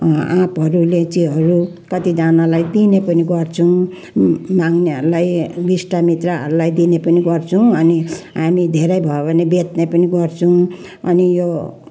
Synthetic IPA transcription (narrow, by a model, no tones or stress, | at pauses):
ãpɦʌɾulet͡siɦʌɾu | kʌt̪id͡zanalajd̪inepʌniɡʌrt͡sʰũ | maŋneɦʌɾulajɡisʈamit̪raɦʌ̰ɾulajd̪inepʌniɡʌrt͡sʰuw̃ʌniɦamid̪ʱeɾʌjbʱʌobʱʌnebet̪nepʌniɡʌrt͡sʰuw̃ | ʌ̰nijo